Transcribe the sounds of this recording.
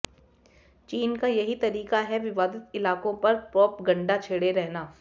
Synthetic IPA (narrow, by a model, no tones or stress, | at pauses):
t͡ʃiːnkajɐɦit̪ɐɾiːkaɦɛʋɪʋaːd̪ɪt̪ɪlaːkõpɐɾpɾɔːpɡɐ̃ɳɖat͡ʃʰeːɽeɾɛɦnaː